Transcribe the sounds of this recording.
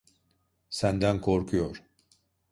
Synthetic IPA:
sænd̪ænkʰoɾkʰujoɾ

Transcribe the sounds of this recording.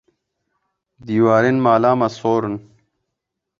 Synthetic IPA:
d̪iːwaːɾinmaːlaːmɐsoːɾn

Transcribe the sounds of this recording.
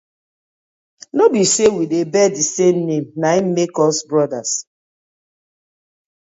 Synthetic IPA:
nobisewidebɛdisemnemnaimmekɔsbɹɔdas

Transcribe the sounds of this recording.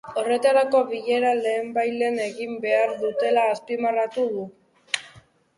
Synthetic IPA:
o̞re̞t̪aɾako̞βiʎe̞ɾale̞ːmbajle̞ne̞ɣimbe̞aɾðut̪e̞laːspimarat̪uð̞u

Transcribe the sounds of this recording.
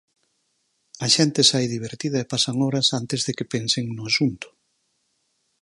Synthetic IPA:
ɐʃɛnt̪ɪsajðiβ̞eɾt̪iðɐepasɐŋɔɾɐsant̪ɪzðekepenseŋnʊasunt̪ʊ̥

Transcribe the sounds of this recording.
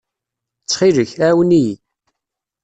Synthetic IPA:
t͡sːχiɾəçæwəniji

